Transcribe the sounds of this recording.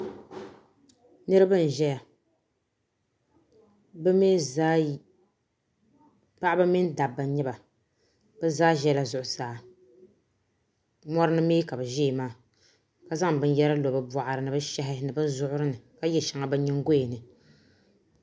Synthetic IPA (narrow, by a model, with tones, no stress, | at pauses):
nɨ˦ɾɨ˦bɨ˦n˨ʒɛ˦ja˨ | bɨ˦me˦zaː˦ | pa˦ʔa˦bɨ˦mɪ˦n˦da˨bːa˨ɲɛ˦ba˨ | b̥ɨ˦zaː˦ʒɛ˦la˨zʊ˨ʔʊ˨saː˨ | mɔ˦ɾɨ˦nɨ˦meː˦ka˨bɨ˨ʒeː˦˨maː˦ | ka˦za˦ŋbɨ˦n˦jɛ˦ɾa˦lo˨bɨ˦ba˨ʔa˨ɾɨ˨nɨ˨bɨ˦ʃɛ˦ɦɪ˦nɨ˨bɨ˦n˦zʊ˦ʔʊ˦ɾɨ˦nɨ˨ka˦jɛ˨ʃa˨ŋa˨bɨ˦ɲɪ˦ŋ˦ɡo˦˨nɨ˨